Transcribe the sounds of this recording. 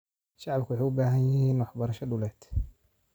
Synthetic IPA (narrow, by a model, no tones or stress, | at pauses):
ʃɑʕbkʰʊwħaːʊbaːɦɐnjɪɦiːnwɑħbɐɾɐʃɐɖʊlɛːd̪